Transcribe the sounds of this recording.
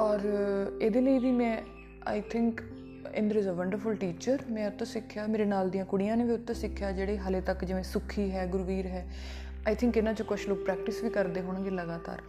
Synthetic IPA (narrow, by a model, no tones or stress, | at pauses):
ɔːɾeːd̪eːləiːʋiːmɛ̃ː | a̰ːɪt̪ʰɪ̃ŋk | ɪ̰̃nd̪əɾɪzəʋəɳɖəɾfʊlʈiːt͡ʃəɾmɛ̃ːʊt̪ːõːsɪkʰːjaːmeːɾeːnaːld̪ijãːkʊɽɪjãːneːʋiːʊt̪ːẽːsɪkʰːjaːd͡ʒeːɽeːɦəleːt̪əkd͡ʒɪʋẽːsʊkʰːiːɦɛːɡʊɾʋiːɾɦɛː | aːjt̪ʰɪ̃ŋkɪnãːt͡ʃõːkʊt͡ʃʰloːk̚pɾɛːk̚ʈɪsʋiːkəɾd̪eːɦoːɽ̃ãɡeːləɡaːt̪a̰ːɾ